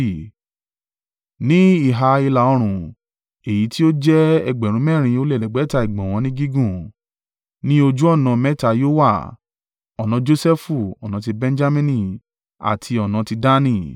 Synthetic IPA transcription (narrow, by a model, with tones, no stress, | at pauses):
nĩ˦i˦˨ɦa˧i˧la˨ɔ˧ɾ̃ũ˨ | e˨ji˨˦ti˦o˦d͡ʒɛ˦ɛ˧ɡ͡bɛ˨ɾũ˨˧˦mɛː˦˨ɾ̃ĩ˧o˧lɛ˦˨lɛ˨ɡ͡bɛ˨˦ta˧i˨ɡ͡bɔ̃˨w̃ɔ̃˧nĩ˦ɡi˦ɡũ˦˨ | nĩ˦o˧d͡ʒu˦ɔ˦˨nã˧mɛ˦ta˧˨jo˦wa˦˨ | ɔ˨nã˧d͡ʒo˦sɛ˦fu˦˨ɔ˨nã˨˧t̬i˧bɛ̃˧n˦d͡ʒa˦mĩ˦nĩ˦ | a̰˨tʰi˧ɔ˨nã˧ti˧da˦nĩ˦˨